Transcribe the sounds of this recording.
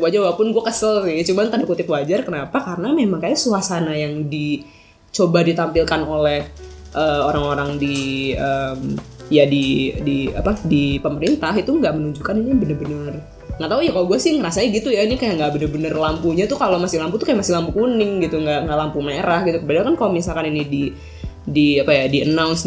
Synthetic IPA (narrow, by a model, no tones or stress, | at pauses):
wad͡ʒarwapʊnɡuakəsəlsɪht͡ʃumant̪anakut̪ɪpwad͡ʒarkənapakarənamemaŋkajasuasanajaŋdi | t͡ʃobadit̪ampilkanolɛh | ʔəoɾaŋoɾaŋdiəm | jadidia̰padipəməɾint̪aɦit̪uŋɡaʔmənuɲd͡ʒukaninijbənərbənər | ŋɡat̪aujakaloɡuasɪŋəɾasaɲaɡit̪ujainikajaŋɡaʔbənərbənərlampuɲat̪ukalomasɪhlamput̪ukajaʔmasɪhlampukunɪŋɡit̪uŋɡaʔŋɡaʔlampumaeɾahɡit̪ukəbadakankalomisalkaninidi | diapajadiə̰nawns